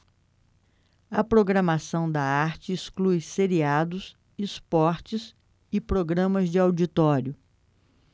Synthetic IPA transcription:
ɐpɾoɡɾɐmasɐ̃w̃d̪ɐaɾt͡ʃɪːsklujseɾiad̪ʊs | ispɔɾt͡ʃɪs | ɪpɾoɡɾɐ̃mɐzd͡ʒɪawd͡ʒit̪ɔɾjʊ

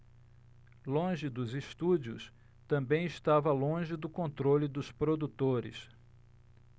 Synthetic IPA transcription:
lõʒɪd̪ʊzist̪ud͡ʒiʊ̰s | t̪ɐ̃mbẽj̃ɪst̪avɐlõʒɪd̪ʊkõnt̪ɾolid̪ʊspɾod̪ut̪oɾɪ̰s

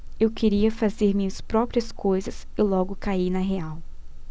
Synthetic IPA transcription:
ewkʰeɾiɐfazeɾmĩɲɐspɾɔpɾiɐskojzɐs | ɪlɔɡʊkainɐɦeaw

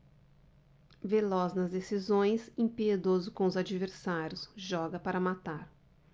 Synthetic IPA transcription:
velɔznɐzd̪esizõj̃sĩpied̪ozʊkõʊzad͡ʒiveɾsaɾjʊsʒɔɡɐpaɾɐmat̪aɾ

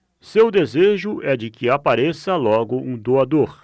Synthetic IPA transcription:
sewd̪ezeʒʊɛd͡ʒɪkɪapaɾesɐlɔɡʊũd̪oad̪oɾ

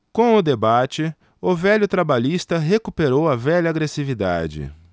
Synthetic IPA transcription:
kõw̃ʊd̪ebat͡ʃɪ | ʊvɛʎʊt̪ɾabaʎist̪ɐɦekupeɾowɐvɛʎɐːɡɾesivid̪a̰d͡ʒɪ̰

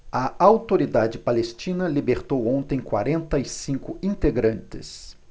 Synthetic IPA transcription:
ɐawt̪oɾid̪ad͡ʒɪpalest͡ʃĩnɐlibeɾt̪owõnt̪ẽj̃kwa̰ɾẽnt̪ɐɪsĩkʊĩnt̪eɡɾɐ̃nt͡ʃɪs

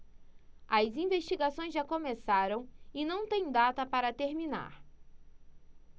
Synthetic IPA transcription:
ɐzĩveʃt͡ʃiɡasõj̃zʒakõmesaɾɐ̃w̃ɪnɐ̃w̃t̪ẽj̃d̪at̪ɐpaɾɐt̪eɾmina̰ɾ

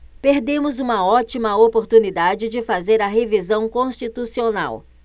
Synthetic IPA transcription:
peɾd̪ẽmʊzũmɐɔt͡ʃimɐopoɾt̪unid̪ad͡ʒɪd͡ʒɪfazeɾɐɦevizɐ̃w̃kõst͡ʃit̪usiona̰w

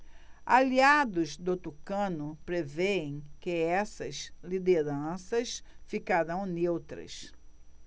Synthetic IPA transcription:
aliad̪ʊzd̪ot̪ukɐ̃nʊpɾeveẽj̃kɪɛsɐzlid̪eɾɐ̃sɐsfikaɾɐ̃w̃newt̪ɾɐ̰s

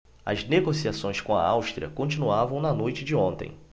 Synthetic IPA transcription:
ɐ̰zneɡosiasõj̃skõɐ̰awʃt̪ɾiɐ̰kõnt͡ʃĩnuavɐ̃w̃nɐnojt͡ʃɪd͡ʒɪõnt̪ḛ̃j̃

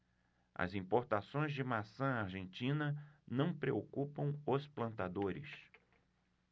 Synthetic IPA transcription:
ɐ̰zĩpoɾt̪asõj̃zd͡ʒɪmasɐ̃aɾʒẽnt͡ʃĩnɐnɐ̃w̃pɾeokupɐ̃w̃ʊsplɐ̃nt̪ad̪oɾɪ̰s

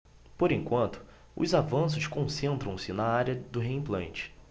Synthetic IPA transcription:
poɾẽŋkwɐ̃nt̪ʊ̥ | ʊ̰zavɐ̃s̬ʊʃkõsẽnt̪ɾɐ̃w̃sɪnɐaɾjɐd̪ʊɦeĩplɐ̃nt͡ʃɪ̥

